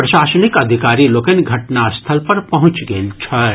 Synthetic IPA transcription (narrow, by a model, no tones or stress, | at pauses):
pɾɐʃaːsənikɐd̪ʱikaːɾiloːkənɡʱɐʈnast̪ʰəlpɐɾpɐɦʊ̃t͡ʃɡəlt͡ʃʰɐ